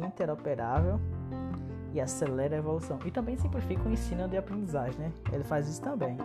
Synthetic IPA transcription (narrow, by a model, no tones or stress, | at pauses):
ĩnt̪ɛɾopeɾavew | ɪaselɛɾɐevolusɐ̃w̃ɪt̪ɐ̃mbẽj̃sĩplɪfikɐũĩsĩnɐ̃d̪ɪapɾẽnd̪izaʒẽnɛḛlɪfazisʊ̥t̪ɐ̃mbẽj̃